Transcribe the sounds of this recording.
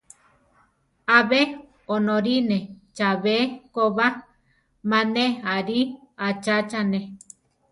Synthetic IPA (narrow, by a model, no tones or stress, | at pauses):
aβe | onõɾinet͡ʃaβekoβa | mãneaɾi | at͡ʃat͡ʃanẽ